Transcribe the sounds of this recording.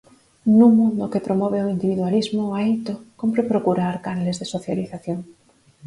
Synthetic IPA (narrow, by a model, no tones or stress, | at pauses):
nũmũnd̪okepɾomoβ̞eoind̪iβiðwalizmoaejt̪okompɾepɾokuɾaɾkanalezðesoθjaliθaθjoŋ